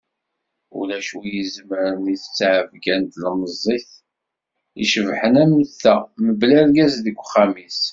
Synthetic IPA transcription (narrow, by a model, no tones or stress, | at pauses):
ṵlæʃujizməɾəniθt͡sːʕəvɡænt̪lməzˤːiθ | iʃəvħənæməθːæməblæɾɡæsðəɡʷːχæmis